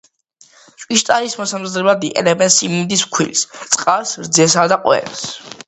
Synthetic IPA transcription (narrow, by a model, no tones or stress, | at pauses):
t͡ʃʼwʼiʃt̪ʼaɾismɔsamzɾɛbad̪iʔɛ̰lɛbɛnsimnid̪iskʰwḭlst̪sʼqʼalsɾd̪zɛsad̪aqʼwɛ̰ns